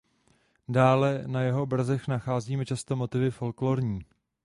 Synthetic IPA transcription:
daːlɛnajɛɦo̞br̩zɛxnaxaːziːmɛt͡ʃast̪o̞mo̞t̪ɪvɪfo̞lklo̞ɾɲiː

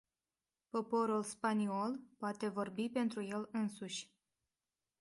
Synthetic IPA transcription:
po̞po̞ɾulspanio̞lpoat̪e̞vo̞rbipe̞nt̪ɾuje̞lɨnsuʃʲ

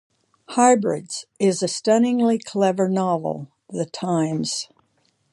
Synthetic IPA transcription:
haɪbɹɪ̰dz̥ɪzɨstʌ̃ñɪ̃ŋlikʰl̥ɛvə˞nɑvl̩ˠ | ðɨtʰãɪ̃mz̥

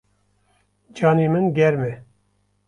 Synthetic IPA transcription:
d͡ʒɑːniːmɨnɡʲɛɾmɛ

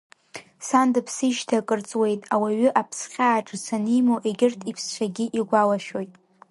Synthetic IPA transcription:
sandɨpʰsiʃtʰakʼɨrt͡sʼwe̞jtʼawaɥʏʔapʰsχʲaːʈ͡ʂʼɨsanimoʔe̞ɡʲɪrtʰipʰst͡ɕʷʰaɡʲiʔiɡʷalaʃojtʼ

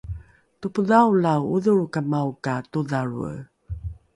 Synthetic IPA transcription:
tupəðawlawuðuɹkamawkatuðaɾṵ

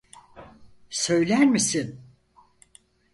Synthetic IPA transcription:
sø̞jlʲæɾmisin

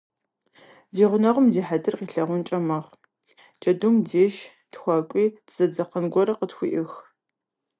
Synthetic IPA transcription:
ziːʁʷʊnɐʁʷʊmdiːħadɨrqiːɬɐʁʷʊnt͡ʃʼɐmɐʁ | t͡ʃʼɐdumdeːʃ | txʷɑːkʷʼiːd̥z̥ɐd͡zɐqənɡʷɔɾɐqətxʷḭʔɪx

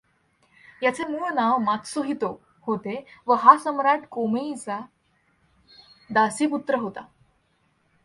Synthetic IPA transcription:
jat͡semunaʋmat̪soɦit̪o | hot̪eʋəɦasəmɾaʈkomejt͡sa | d̪asiːput̪ɾəɦot̪a

